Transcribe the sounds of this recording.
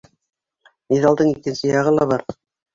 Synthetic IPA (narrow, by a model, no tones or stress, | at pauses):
niðɑlˠd̪ɤɴikɘ̆nsɘjɑʁɤlˠɑβɑɾ